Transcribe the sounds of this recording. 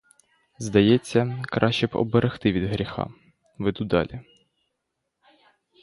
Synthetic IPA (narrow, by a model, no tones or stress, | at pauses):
zd̪ɐjɛt͡sʲːɐkɾʔɑʃt͡ʃɛbɔ̰beɾʔext̪ɪʋʲid̪ɦɾʲixɑ̰ | ʋed̪ud̪ɑ̰lʲi